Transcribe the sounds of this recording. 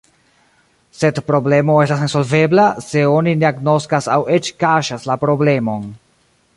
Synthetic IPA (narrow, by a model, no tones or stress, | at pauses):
se̞dpɾo̞ble̞mo̞e̞stasneso̞lve̞blase̞o̞nineaɡno̞skasawe̞t͡ʃkaʃaslapɾo̞ble̞mo̞n